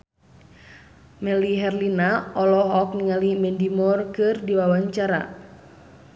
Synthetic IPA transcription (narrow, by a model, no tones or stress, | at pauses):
mɛliɦɛrlinaɔlɔɦɔk̚niŋalimɛndimɔrkɨrdiwawaɲt͡ʃaɾa̰